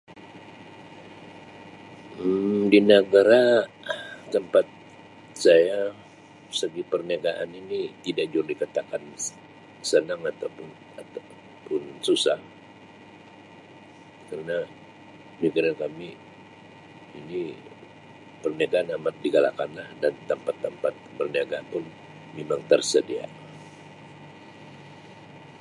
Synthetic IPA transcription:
ədinəɡaɾa | t̪əmpat̪̚ | saja | səɡipərnaɡaʔa̰ninit̪idak̚d͡ʒuɾdikat̪akan | sənaŋat̪awpʊn | at̪a | pʊnsusah | kərəna | miɡəɾankami | ini | pərniaɡaanamat̪̚diɡala̰kanlahdant̪əmpat̪ːəmpat̪̚bərniaɡapʊn | memaŋt̪ərsədia̰

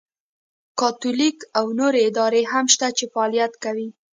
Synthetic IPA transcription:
kɑt̪ulikawnoɾeɪd̪ɑɾeɦamʃt̪at͡ʃefaːlijat̪kawi

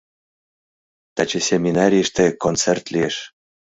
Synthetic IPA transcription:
t̪ɑt͡ɕesʲemʲinɑɾʲijəʃt̪ekont͡sert̪lieʃ

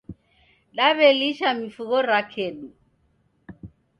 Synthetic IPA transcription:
ɗaβeliʃamifuɣɔɾakʰeːɗu

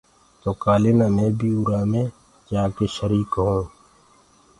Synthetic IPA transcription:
t̪oːkaːlɪnãːnẽbʱiːʊɾaːmẽː | d͡ʒaːkeːʃəɾiːkɦõː

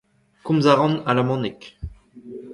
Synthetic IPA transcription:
kũmzaʁɑ̃nalamɑ̃nɛk

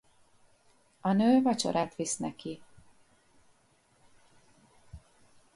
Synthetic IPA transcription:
ɒnøːvɒt͡ʃo̰ɾʔat̪ʋisnɛki

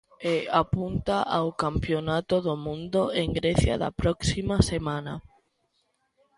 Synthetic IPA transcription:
eapunt̪aʔawkampjonat̪oðomũnd̪oeŋɡɾeθja̰ða̰pɾɔksimasemãna

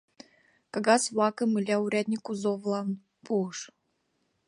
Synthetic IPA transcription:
kaɡɑswɑkɤ̆mɨlʲauɾʲad̪ʲnʲikuzovlˠɑn | puəʃ

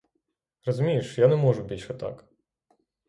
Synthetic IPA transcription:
rɔzʊmʲijiʃjanɛmɔʒʊbʲilʲʃɛt̪ɑ̰k

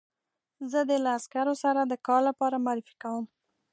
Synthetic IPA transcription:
zəd̪elaːskaɾosaɾad̪əkɑɾlapɑɾamaɾɪfi̥kawəm

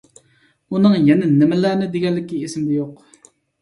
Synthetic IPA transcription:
onːaŋjənːənəməlːanəd̪iɡalːəkːəesəmd̪əjoq̚

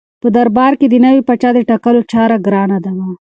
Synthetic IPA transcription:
pəd̪ɐɾbɑːɾked̪inɐwipɐt͡ʃad̪eʈɐkɐlot͡ʃʰaːɾaɡɾaːnad̪ɐma

